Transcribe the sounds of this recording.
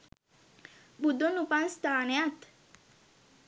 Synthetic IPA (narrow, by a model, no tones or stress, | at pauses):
bud̪onupãnst̪aːnejat̪